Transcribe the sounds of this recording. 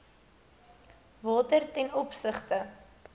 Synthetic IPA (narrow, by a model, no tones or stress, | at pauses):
vɑːtərtɛnɔpsəχtə